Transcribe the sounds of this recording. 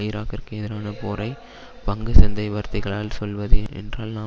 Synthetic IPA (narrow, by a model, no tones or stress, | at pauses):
ɪjɪɾaːkɪɾkɯɛðɪɾaːnɐpoːɾɐɪ | pɐŋɡɯsɛnd̪ɐɪʋɐɾt̪ɪɣɐɭaːlsɔlʋɐðɯɛ̰ndraːlnaː